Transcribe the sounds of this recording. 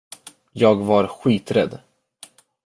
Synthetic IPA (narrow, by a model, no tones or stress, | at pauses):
jɑːɡvaɾɧiːt̪ɾɛd̪